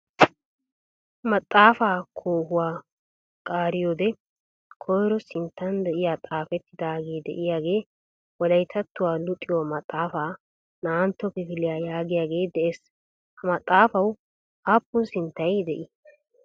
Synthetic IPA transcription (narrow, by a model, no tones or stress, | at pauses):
mɐt̪ʼːaːfaːkʰoːhʊwaː | kʼaːɾɪjoːd̪ɛ | kʰɔjɾɔsɪnt̪ːɐnd̪ɛʔɪjaːt̪ʼaːfɛt̪ːɪd̪aːɡe̞ːd̪ɛ̰ʔɪjaːɡe̞ː | wɔd̪ɐjt̪ʰɐt̪ːʊwaːlʊt̪ʼːɪwɔmɐt̪ʼːaːfaː | naːnt̪ːɔkɛkɪlɪjaːjaːɡɪjaːɡe̞ːd̪ɛʔeːs | hɐmɐt̪ʼːaːfɐw | aːpːʊnsɪnt̪ːɐjd̪ɛʔɪ